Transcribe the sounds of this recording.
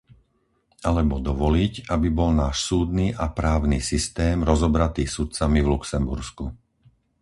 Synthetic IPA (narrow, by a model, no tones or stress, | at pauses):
alɛbɔd̪ɔʋɔlicabibɔlnaːʃsuːd̪niːʔapɾaːʊniːsist̪ɛːmɾɔzɔbɾat̪iːxsut̪̚t͡samivluksɛmbuɾsku